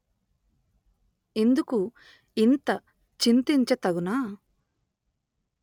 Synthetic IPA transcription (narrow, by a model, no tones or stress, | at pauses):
end̪uku | int̪ɐ | t͡ʃint̪iɲt͡ʃɐt̪ɐɡunaː